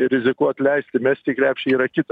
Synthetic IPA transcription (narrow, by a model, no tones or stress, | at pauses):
ɪɾʲɪzʲɪkuɔt̪ʲlʲɛɪsʲt̪ʲɪmʲɛsʲt̪ʲiːkɾʲæːpʲʃʲiiːɾɐkʲɪt̪